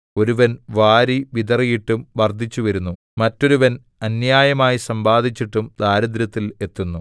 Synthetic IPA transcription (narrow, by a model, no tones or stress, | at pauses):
o̞ɾuʋɐnʋaːɾiʋid̪ɐrijiʈːumʋɐrd̪ʱit͡ɕːuʋɐɾunːu | mɐtːo̞ɾuʋɐn | ɐnjaːjɐmaːjisɐmbaːd̪ʱit͡ɕːiʈːumd̪aːɾɐd̪ɾɐt̪ːile̞t̪ːunːu